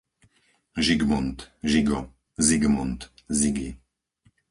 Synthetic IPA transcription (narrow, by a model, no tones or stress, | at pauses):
ʒiɡmunt̪ʒiɡɔ | ziɡmɔnt̪ziɡi